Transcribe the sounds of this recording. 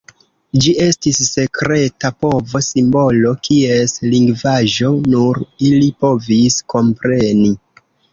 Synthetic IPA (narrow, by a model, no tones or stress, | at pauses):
d͡ʒie̞stisːe̞kɾe̞tapo̞vo̞simbo̞lo̞kʰie̞sliŋɡvaʒo̞nuɾilipo̞visko̞mpɾe̞ni